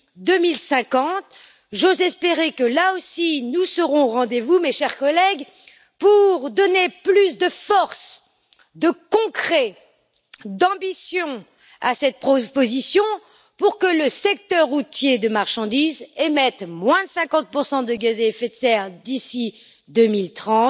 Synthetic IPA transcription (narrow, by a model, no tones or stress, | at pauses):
d̪əmilsɛ̃kɑ̃t̪ | ʒozɛspeʁekəlaosinusəʁɔ̃ʁɑ̃d̪evumeʃɛʁkɔlɛɡ | puʁd̪ɔneplysd̪əfɔʁs | d̪əkɔ̃kχɛ | d̪ɑ̃bisjɔ̃ | asɛt̪̚pχɔpozisjɔ̃ | puʁkələsɛk̚t̪œʁːut̪jed̪əmaʁʃɑ̃d̪izemɛt̪mwɛ̃sɛ̃kɑ̃t̪̚puʁsɑ̃d̪əɡazeɛfet̪sɛʁd̪isi | d̪ømilt̪χɑ̃t̪